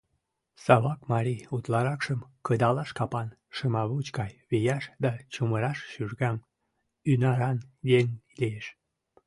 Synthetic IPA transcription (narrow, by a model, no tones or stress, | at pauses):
sɑβɑkmɑɾiut̪lɑɾɑkʃəmkəd̪ɑlɑʃkɑpɑn | ʃəmɑβut͡ɕkɑjβijɑʃd̪ɑt͡ɕuməɾɑʃʃyʒɡɑm | ynɑɾɑnjeŋ | lieʃ